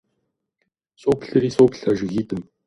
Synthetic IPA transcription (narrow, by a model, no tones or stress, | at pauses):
soːpʰɬɨɾiːsoːpʰɬɐʒɪɣiːt̪ɨm